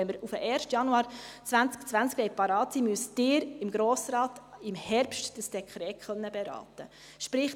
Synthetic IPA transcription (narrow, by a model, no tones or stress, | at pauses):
ɛnməɾufəʔɛːɾʃtjɑnuɑːɾt͡sʋænt͡sk̚t͡sʋænt͡sklɛɪt̚pɑɾɑːtsimyəsd̥ɪːɾɪmɡɾoːsɾɑːtɪmhɛɾpʃtd̥əsd̥ɛkʰχɾɛːtχœnːəbɛɾɑ̰ːtə | ʃpɾɪχ